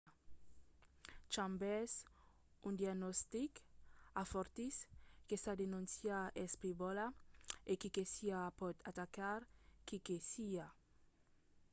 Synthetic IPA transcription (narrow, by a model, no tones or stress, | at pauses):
t͡ʃambɛs | und̪iaɡnɔst̪ikafɔɾt̪iskesad̪enũnsjaʔɛspɾibɔlaekikesiapɔt̪ʰat̪akaɾkikesia